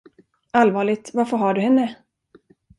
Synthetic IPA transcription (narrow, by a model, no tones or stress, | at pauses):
alvɑːɭɪɡ̚t̪vaɾfɔɾɦɑɖɵhɛnːə